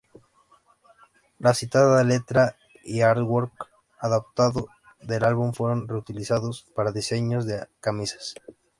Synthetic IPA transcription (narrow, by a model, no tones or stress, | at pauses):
lasit̪aðaðele̞t̪ɾa | iaɾd̪woɾk | aðap̚t̪aðo | ðelalβumfwe̞ɾo̞nreut̪ilisaðo̞spaɾaðise̞ɲo̞zðekamisḁs